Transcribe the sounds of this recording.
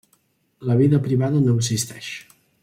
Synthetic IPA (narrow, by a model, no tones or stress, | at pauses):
ləβ̞iðəpɾiβaðənokzist̪ɛʃ